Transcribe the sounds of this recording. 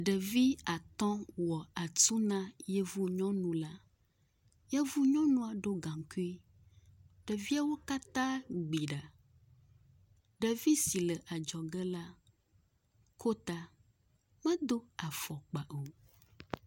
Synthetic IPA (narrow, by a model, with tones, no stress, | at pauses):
ɖə˨vi˦a˨t̪ɔ̃˦wɔ˨a˨t̪u˦nã˦je˦vu˦ɲɔ̃˦nũ˨la˦ | jɛ˦vu˦ɲɔ̃˦nũ˦a˨ɖo˦ɡã˨ŋ˨ku˦i˦ | ɖə˨vi˦a˦wo˦ka˦t̪ã˦ɡ͡bi˨ɖa˨ | ɖə˨vi˦si˨lə˨ʔa˨d͡ʒɔ˨ɡɛ˦la˦ | kʰo˦t̪a˨ | mɛ̃˦d̪o˦a˨fɔ˨k͡pa˨ʔo˨